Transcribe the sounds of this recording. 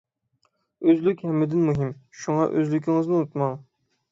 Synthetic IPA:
øzlykʲhɛmːɪd̪ɪnmuɦimʃuŋɑʔø̰zlykʲiŋɨznɨut̪mɑŋ

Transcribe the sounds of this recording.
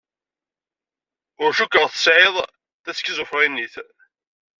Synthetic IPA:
ʊɾʃʊkːəʁθəsʕeðˤ | θæskːizʊfɾˤinːiθ

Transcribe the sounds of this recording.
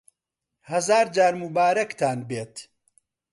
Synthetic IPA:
hɐzaːɾd͡ʒaːɾmubaːɾɐkt̪ʰaːnbeːt̪

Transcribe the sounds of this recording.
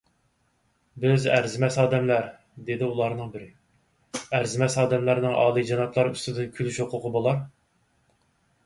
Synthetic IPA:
bɪzæ̰ɾzɪmɛsɑːd̪ɛmlæɾ | d̪ed̪ɪulˠɑɾnɨŋbɪɾɪ | æɾzɪmɛsɑːd̪ɛmlæɾnɪŋʔɑ̰ːlˠɨd͡ʒɑnɑt̪ʰlˠɑɾyst̪ɪd̪ɪnkʲʰylyʃoqʰʊqʰʊbolˠɑɾ

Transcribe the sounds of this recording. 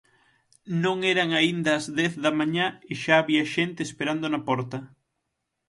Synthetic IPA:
nõŋeɾaŋaind̪ɐːzðɛθðɐmaɲaeʃaːβiɐʃent̪eːspeɾand̪onɐpɔɾt̪ɐ

